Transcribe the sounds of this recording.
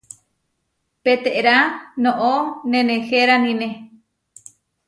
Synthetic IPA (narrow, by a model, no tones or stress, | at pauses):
pet̪eʔɾanõʔonẽnẽxeɾanĩnẽ